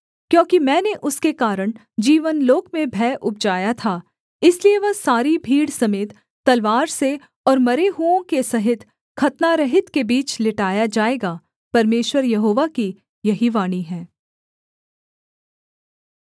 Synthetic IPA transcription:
kjõːkimɛ̃ːneʔʊskekaːɾəɽ̃ | d͡ʒiːʋənloːkmẽbʱɛːʔʊp̚d͡ʒaːjat̪ʰaː | ɪslieʋɐɦsaːɾibʱiːɽsɐmeːt̪ː | ɐlʋaːɾse | ɔːɾmɐɾeɦuõkesɐɦɪt̪ | kʰɐt̪naɾɐɦɪt̪kebiːt͡ʃlɪʈaːjad͡ʒaːeːɡa | pɐɾmeːʃwəɾjɐɦoːʋaki | jɐɦiʋaːɽ̃iɦɛ̃ː

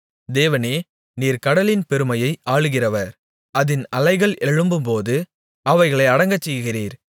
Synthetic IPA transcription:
d̪eːʋɐneː | niːɾkɐɽɐlɪnpɛɾɯmɐjɐɪʔaːɭɯɣɪrɐʋɐɾ | ɐðɪnɐlɐɪɣɐɭʔɛɻɯmbɯmpoːðɯ | ɐʋɐɪɣɐɭɐɪɐɽɐŋɡɐt͡ʃːɛjɯɣɪriːɾ

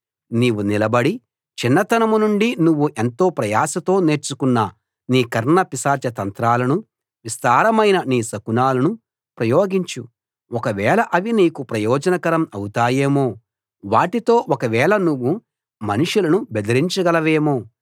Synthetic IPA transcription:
niːʋunilɐbɐɽi | t͡ʃinːɐt̪ɐnɐmunuɳɖinuʋːuʔe̞nt̪o̞ːpɾɐjaːsɐt̪o̞ːne̞ːɾt͡ʃukunːɐ | niːkɐɾɳɐpisaːt͡ʃɐt̪ɐnt̪ɾaːlɐnu | ʋist̪aːɾɐmɐjnɐniːsɐkunaːlɐnu | pɾɐjoːɡiɲt͡ʃu | ɔkɐʋɛːlɐʔɐʋiniːkupɾɐjɔːd͡ʒɐnɐkɐɾɐmɐwut̪aːje̞ːmo̞ː | ʋaːʈit̪o̞ːʔɔkɐʋɛːɭɐnuʋːu | mɐnuʂulɐnubɛd̪ɐɾiɲt͡ʃɐɡɐlɐʋe̞ːmoː

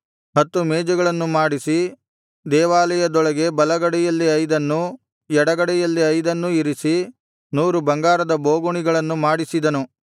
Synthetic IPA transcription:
ɦɐt̪ːumɛːd͡ʒɐɡɐɭɐnːumaːɽisi | d̪ɛːʋaːlɛjɐd̪ɔɭɐɡe̞bɐlɐɡɐɽɛjɐlːiɐjd̪ɐnːu | ɛɽɐɡɐɽɛjɐlːiɐjd̪ɐnːuiɾisi | nuːɾubɐŋɡaːɾɐd̪ɐbo̞ːɡuɳiɡɐɭɐnːumaːɽisid̪ɐnu

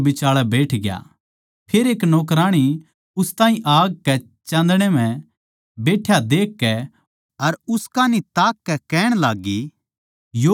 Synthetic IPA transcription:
bɪt͡ʃaːɭabeːʈʰɡɪja̰ | pʰeːɾeːknɔːk̬ɾaːɽ̃i | ʊst̪ãːĩʔaːɡ̚kɛ | t͡ʃãːnd̪ɽ̃em̤ɛ̃ | beːʈʰːjad̪eːkːɛ | ɐɾʊskaːnit̪aːkːɛkɛːɽ̃laːɡːi | jo

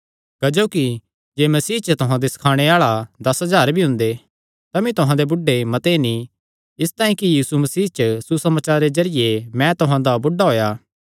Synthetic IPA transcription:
kɐd͡ʒoːki | d͡ʒeːmɐsiːt͡ʃət̪ʊɦãd̪esɐ̥kʰaːɽ̃eaːɭad̪ɐsɦɐzaːɾbʱiɦʊ̃nd̪e | t̪amĩt̪ʊɦãd̪ebʊɖːemɐt̪enĩ | ɪst̪ãːĩkijiːsumɐsiːt͡ʃəsusɐmaːt͡ʃaːɾːezɐɾɪjemɛ̃t̪ʊɦãd̪abʊɖːaɦoːja

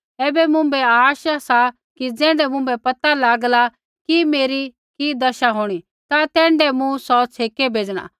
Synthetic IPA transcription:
ɛːbɛmʊ̃bɛaːʃasa | kid͡zɛ̃ːɳɖɛmʊ̃mbɛpɐt̪alaːɡla | kimeːɾi | kid̪ɐʃaɦoːɽ̃i | t̪at̪ɛ̃ːɳɖɛmũsɔt͡sʰeːkebʱeːd͡ʒɽ̃a̰

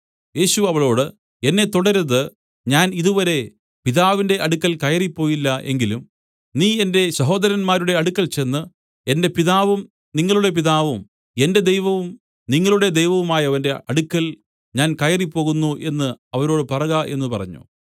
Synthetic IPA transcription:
je̞ːɕuɐʋɐɭo̞ːɽɨ | e̞nːe̞t̪oɽɐɾɐðɨ | ɲaːniðuʋɐɾe̞ | piðaːʋinde̞ʔɐɽukːɐlkɐjɐripːo̞ːjilːɐʔe̞̰ŋɡilum | niːe̞nde̞ɕɐɦo̞ːd̪ɐɾɐnmaːɾuɽe̞ɐɽukːɐlt͡ɕe̞nːɨ | e̞nde̞piðaːʋum | niŋːɐɭuɽe̞p̬iðaːʋum | e̞nde̞d̪ejʋɐʋum | niŋːɐɭuɽe̞d̪ejʋɐʋumaːjɐɐʋɐnde̞ʔɐɽukːɐl | ɲaːnkɐjɐripːo̞ːɣunːuʔe̞nːɨɐʋɐɾo̞ːɽɨpɐrɐɣɐʔe̞̰nːupɐrɐ̰ɲːṵ

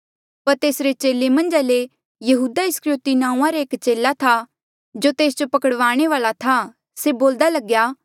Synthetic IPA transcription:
pɐɾt̪eːsɾet͡ʃeːlemɐ̃nd͡ʒale | jɐɦuːd̪aɪskɾoːt̪inãːũãɾeeːkt͡ʃeːlat̪ʰa | d͡ʒot̪eːsd͡ʒopɐkəɽʋaːɽ̃eʋaːlat̪ʰa | seboːld̪alɐɡjaː

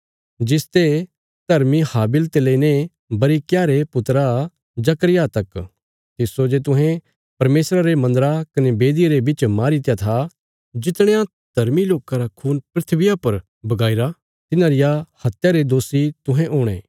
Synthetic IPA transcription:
d͡ʒɪst̪e | d̪̥ʱɐɾmihaːbɪlt̪eleine | bɐɾikjaːɾepʊt̪ɾa | d͡ʒɐkɾɪjat̪ɐk | t̪ɪsod͡ʒet̪̬ʊ̃ɦɛ̃ | pɐɾmeːsɾaɾemɐ̃nd̪əɾakɐnebeːd̪ieɾebɪt͡ʃmaːɾit̪jat̪ʰa | d͡ʒɪt̪ɽ̃ẽjã | d̪ʱɐɾmiloːkaɾakʰuːnpɾɪt̪ʰʋɪjapɐɾ | bɐɡaːiɾa | t̪ɪnãɾɪjahɐt̪ːjaɾed̪oːsit̪ʊɦɛ̃ʔoːɽ̃ḛː

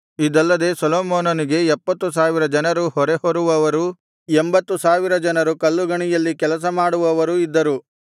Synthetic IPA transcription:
id̪ɐlːɐd̪e̞ːsɐloːmoːnoniɡe̞ɛpːɐt̪ːus̬aːʋiɾɐd͡ʒɐnɐɾuhɔɾehoɾuʋɐʋɐɾu | embɐt̪ːusaːʋiɾɐd͡ʒɐnɐɾukɐlːuɡɐɳijɐlːikɛlɐs̬ɐmaːɽuʋɐʋɐɾuid̪ːɐɾu

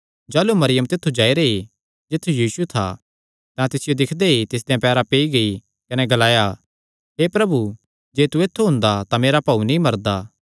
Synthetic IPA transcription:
d͡ʒaːlumɐɾɪjəmt̪ɪt̪ʰːud͡ʒaːiɾee | d͡ʒɪt̪ʰːujiːsut̪ʰa̰ | t̪ãt̪ɪsɪjod̪ɪkʰd̪eit̪ɪs̬d̪ejãpɛːɾapeːiɡɐi | kɐnɛɡɐlaːja | ɦeːpɾɐbu | d͡ʒeːt̪ueːt̪ʰːuɦʊ̃nd̪at̪ameːɾapɐːunĩmɐɾd̪aː

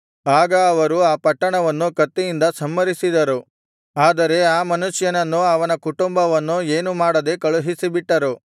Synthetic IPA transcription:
aːɡɐːʋɐɾuaːpɐʈːɐɳɐʋɐnːukɐt̪ːijind̪ɐsɐmːɐɾisid̪ɐɾu | aːd̪ɐɾe̞aːmɐnuʂjɐnɐnːuɐʋɐnɐkuʈumbɐʋɐnːue̞ːnumaːɽɐd̪e̞kɐɭuɦisibiʈːɐɾu

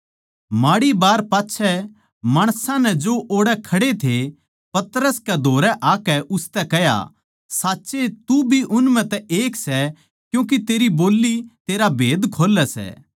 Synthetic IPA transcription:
maːɽibaːɾpaːtːʃʰɛ | maːɽ̃sãnɛd͡ʒoʔoːɽɛkʰɐɽet̪ʰe | pɐt̪ɾəskɛd̪ʱoːɾɛʔaːkɛʔʊst̪ɛkɛɦja̰ | saːtːʃet̪ubʱiʔʊnmɛ̃t̪ɛʔeːksɛ | kjũːk̬it̪eːɾiboːlːit̪eːɾabʱeːd̪kʰoːlɛsɛ̰ː

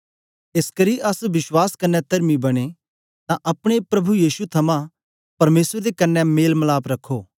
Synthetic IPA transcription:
eskɐɾiʔɐsʋɪswaːskɐnːɛt̪ɐɾmibɐɽ̃e | t̪ãʔɐpɽ̃epɾɐbʱujiːsut̪ʰɐmã | pɐɾmeːsɾd̪ekɐnːɛmeːlmɐlaːpɾɐkʰːoː

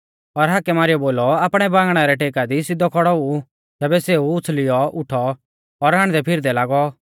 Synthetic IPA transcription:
ɔɾɦakɛmaːɾɪjɔboːlɔaːpɽ̃ɛbãːɡɽ̃aɾɛʈeːkad̪isɪd̪ɔkʰɔɽɔu | t̪ɛːbɛseːuʊt͡sʰlɪjɔʊʈʰɔː | ɾɦaɽ̃d̪ɛpʰɪɾd̪ɛlaːɡɔ

